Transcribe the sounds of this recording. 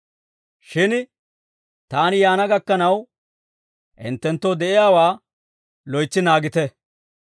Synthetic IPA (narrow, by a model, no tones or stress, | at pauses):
ʃɪn | t̪aːnɪjaːnɐɡɐkːɐnɐw | ʔɪ̰nt̪ːɛnt̪ːoːd̪ɛʔɪjaːwaː | lɔjt͡sːɪnaːɡɪt̪ɛ